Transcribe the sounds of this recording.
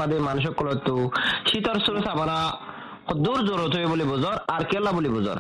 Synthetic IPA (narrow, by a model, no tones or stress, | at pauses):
ad̪emanuʃ̬ɔkːɔlɔt̪ːuʃit̪ɔɾsuɾusabaɾa | ɔd̪uɾzɔɾɔt̪ʰojebulibɔzɔɾaɾkɛlːabulibɔzɔ̰ɾ